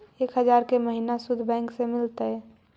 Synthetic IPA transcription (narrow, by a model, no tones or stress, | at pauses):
eːkɦəd͡ʒaːɾkeməɦinasʊd̪ʱbɛ̃ːŋksemɪlt̪ə